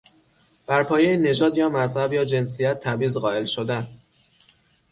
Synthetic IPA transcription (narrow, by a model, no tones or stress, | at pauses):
b̥æɾpʰɒːjejine̞d͡ʒɒːd̪jɒːmæzhæbjɒːd͡ʒe̞ns̬ijæt̪ʰːæbiːzɣɒːʔe̞lʃod̪æn